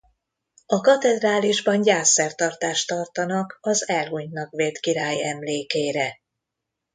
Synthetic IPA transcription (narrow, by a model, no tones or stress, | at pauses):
ɒkɒt̪ɛd̪raːliʒbɒnɟaːsːɛrt̪ɒrt̪aːʃt̪ɒrt̪ɒnɒkɒzɛlɦuɲnɒɡʋeːt̪kiɾaːjɛmleːkeːɾɛ